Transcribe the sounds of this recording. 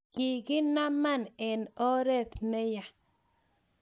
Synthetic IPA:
kɪ˨ɡɪ˦na˦ma˦˨nɛ˨nɔ˦ɾɛ˦˨t̪nɛ˦ja˨

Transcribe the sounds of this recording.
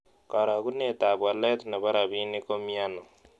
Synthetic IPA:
ka˨ɾa˨ku˦ne˨ta˨bwa˨lɛ˦t̪na˨ba˦ɾa˨bi˦ni˦ko˦mi˦a˦nɔ˨

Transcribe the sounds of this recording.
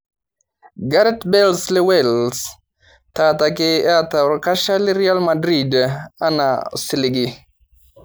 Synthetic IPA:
ɡa˦ɾɛtbɛ˦lslɛ˦wɛ˨ls | tata˨ke˦a˦ta˨ɾka˦ʃa˦li˦ɾi˦a˦lma˨dɾi˨da˦na̰si˨li˨ɡi˨

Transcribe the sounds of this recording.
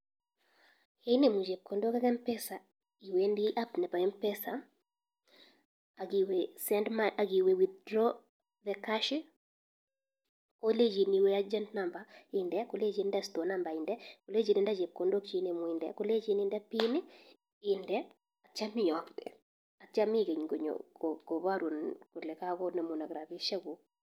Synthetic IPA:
he˦ne˨mu˨d͡ʒe˨p̚ko˨ndo˦ka˦kɛ˦mpɛ˦sa˨ | i˨we˦ndi˦ʔa˦pnɛ˨pa˨ɛ˦mpɛ˦sa˨ | a˨ɡi˨we˨sɛ˦ndma˨ʔa˨ɡi˨we˨wi˨d̪̚dɾɔ˦ | ðɛ˨ka˦ʃɪ˦ | ko˦le˦d͡ʒi˨ni˨we˦a˦d͡ʒɛ˦ntna˨mba˨ɪ˨ndɛ˦ko˨˦le˦d͡ʒi˨n˦dɛ˦sto˨na˦mba˨ɪ˨ndɛ˦ko˨le˦d͡ʒi˨nɪ˨nda˦d͡ʒe˨ko˨ndo˦kt͡ʃi˦ne˨mʊ˨ɪ˨ndɛ̰˦ko˦le˦d͡ʒi˦nɪ˦ndɛ˦pi˦nɪ˦ | ɪ˨ndɛ˦ | a˨t͡ʃa˦mɪ˦˨ɔ˨pd̪ɛ̰˨ | a˨t͡ʃa˦mi˦ke˨ɲɡo˨ɲo̰˨oɡo˨βa˦ɾwo˨nko˨lɛ˨ka˦kɔ˦na˨mo˨na˨ɡɾa˨bi˦ʃa˦ɡo˨

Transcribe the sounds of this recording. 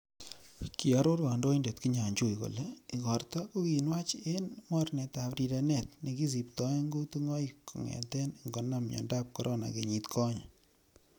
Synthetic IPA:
ki˨ɔ˦ɾo˦ɾwa˨ndo˦inde˨tki˦ɲa˨ɲt͡ʃo˦˨jko̰˨le˦i˨kɔ˨rtɔ˦ko˦ki˨nwa˦t͡ʃenmɔ˦rnɛ˨ta˨pɾi˨ɾa˨nɛ˨t̚ni˨ki˦s̬i˨ptɔ˨˦ŋɡo˦tu˦ŋɔ˦iko̰˨ŋɛ̰˨tɛ˦nŋɡɔ˨na˦mɲɔ̰˨nda˦p̚kɔ˦ɾʔɔ˦na̰˨ke˨ɲi˨tkʰɔ˦ɲa

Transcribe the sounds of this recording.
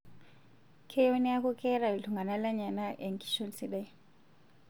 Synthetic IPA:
kʰewe˦nia˦kɔ˦kɛ˦ɾa˨i˨tu˨ŋɡa˨na˦la˦ɲa˨na˦ʔɛ˨ŋki̥ʃɔnsi˦ɗaj

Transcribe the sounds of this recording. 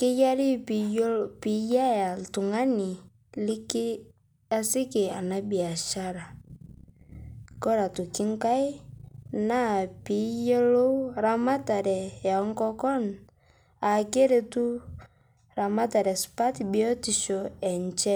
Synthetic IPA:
ki˦ja˦ɾi˦ppi˨ja˦a˨ltu˨ŋa˦ni˨ | li˦k | a˦si˦ke˨a˨na˦bi˨a˨ʃa˦ɾa˨ | kɔ˦ɾa˨tu˨ki˦ŋ˦ka˦i˦na˦˨pi˨˦je˦lo˦ɾa˦ma˦ta˨ɾɛ˨jɔ˦ŋ˦kɔ˦kɔ˦n | a˨ke˦ɾe˨tu˦ | ɾa˨ma˦ta˨ɾɛ˨spa˦ti˨bi˨ɔ˦ti˨ʃɔ˨ɛ˨nt͡ʃɛ˦

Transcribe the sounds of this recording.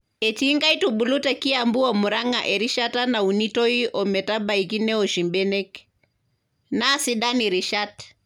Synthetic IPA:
ɛ˨ti˦ŋɡa˦itubu˨lu˦ta˨ki˦ambu˦ɔ˨mu˨ɾa˦ŋa̰˨ʔɛ˨ɾi˦ʃa˦ta˦na˨u˨ni˦tɔ˦i˦ʔɔ˨mɛ˨ta˦ba˨i˨ki˦nɛ˦ɔ˨ʃi˨mbɛ˦nɛ˦k | nasiɗa˦ni˨ɾi˨ʃat

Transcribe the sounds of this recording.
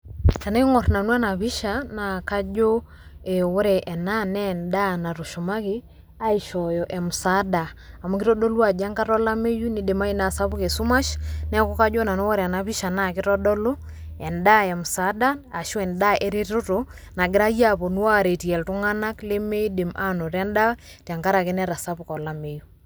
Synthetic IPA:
ka˨ne˦kŋɔ˨rna˨nwa˦na˨βi˦ʃa˨na˨ka˦d͡ʒo˦ | ɛ˨wo˦ɾɛ˨ʔɛ˨na˦nɛ˦nda˦na˨ɾo˨ʃo˨ma˦ki˦ | a˦i˨ʃɔ˨jɔ˨ʔɛ˨mu˨sa˦da˨a˨ma˦kɪɾɔ˦dɔ˦lwa˨d͡ʒa˦ŋka˦ɾɔ˦la˦me˦ju˦ni˦de˨ma˦i˦na˨sa˦βu˦ke˨su˦ma˦ʃnɛ˦kɔ˦ka˦d͡ʒɔ˦na˨no˦wɔ˦ɾa˨na˦pi˦ʃa˨na˦kɪ˦ɾɔ˦dɔ˦lo˦ | ɛ˨nda˦ɛ˨m̩˨sa˨˦da˦a˨ʃu˦ɛ˨nda˦ʔɛ˦ɾe˦tɾo˦to˨ | na˨ɡɪ˦ɾa˦ja˦pɔ˨nu˦wa˦˨ɾe˨ti˨ɛ˨ltu˦ŋa˦na˦kle˦me˦i˦de˨mʔa˦no˨ɾɛ˦nda˦ | tja˨ŋka˦ɾa˨ke˦nɛ˦ɾa˨sa˦pukɔ˨la˦me˦ju

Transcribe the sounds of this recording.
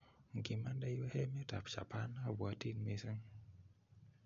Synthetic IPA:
ŋ˨ki˨ma˦nda˦jo˦hɛ˦mɛ˦ta˨pt͡ʃa̰˨pa˦na˦˨bwa˨˦ti˦nme˦sə˦ŋ

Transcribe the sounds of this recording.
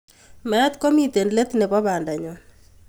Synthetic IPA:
ma˨a˦t̪ko˦mi˦t̪e˨nle˦t̪nɛ˨bɔ˦ba˨nda˨ɲɔ˨

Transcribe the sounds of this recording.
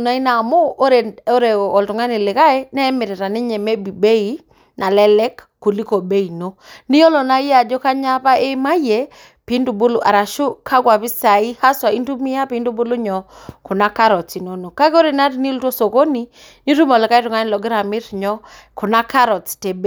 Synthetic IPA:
na˦i˦na˨mo˦ʔo˦ɾe˨o˦ɾe˨ɔ˨ltʊ˨ŋa˦ni˨lɪ˨ka˦e˦nɛ˦mɪ˨ɾɪ˨ɾa˨nɪ˦ɲɛ˨me˦bi˨be˦i˨ | na˨lɛ˦lɛ˦kːu˨li˦ko˨be˦i˨no˦ni˦jɔ˦lɔ˨na˦ja˨d͡ʒɔ˦ka˦ɲa˦pa˦ʔe˦ma˦je˨ | pi˨˦ndu˨bʊ˦lu˨ʔa˨ɾa˨ʃu˦kʰa˦kwa˨pɪ˦sa˨i˦ha˦swa˨i˦ntu˦mi˦a˦pi˨˦ndu˦bu˦lu˦ɲɔ˨kʊ˨na˦ka˦ɾɔ˨t͡si˨no˨no˨ka˦ko˦ɾe˨na˦ti˨ni˦lto˦so˨ko˦ni˨ | ni˦tu˦mɔ˨lɪ˨ka˦jtʊ˨ŋa˦nɪ˨lɔ˨ɡɪ˦ɾa˨mɪ˦ɾɲɔ˦ | kʊ˨na˦ka˦ɾɔ˨t͡ste˨b

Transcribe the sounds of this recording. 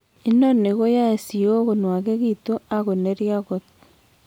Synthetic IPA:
i˦no˦ne˨ɣo˦ja˦e˨si˨o˦ɣo˨nwa˨ɣe˦ɣito˦a˦ɣo˨ne˦ɾja˦ɣo˦t

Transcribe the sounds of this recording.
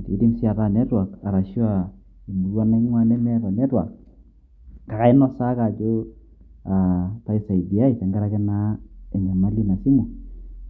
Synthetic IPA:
tḭ˨˦ɾi˦msa˨ta˦˨nɛ˦twa˨ka˨ɾa˨ʃjɔ˦a˨ | wa˦na˦ŋwa˦nɛ˦mɛ˦ɾɔ˨nɛ˦twa̰˨k̚ | ka˨ka˨ɪ˦nɔ˦sa˦ka˨d͡ʒo˦ | a˨ta˦i˦sa˨i˨di˨a˦i˨tɛ˨ŋɡa˦ɾa˦kɛ˦na˦ɛ˨ɲa˨ma˦li˦na˨si˦mu˨

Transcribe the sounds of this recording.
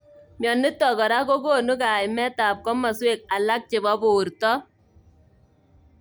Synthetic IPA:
mjɔ˨nːɪ˦tːɔ˨kɔ˨ɾa˦ko˦ko˦nu˦ka˨jmɛ˦ta˨p̚kɔ˦ma˨swe˦˨k̚a˨la˦k̚t͡ʃɪ˨bɔ˦bo˨ɾtɔ˦

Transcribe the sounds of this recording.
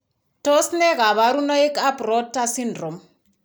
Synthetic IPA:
to˦snɛ˦ɣa˨βa˨ɾuno˦i˦ka˦prɔ˦tːa˦sindro˨m

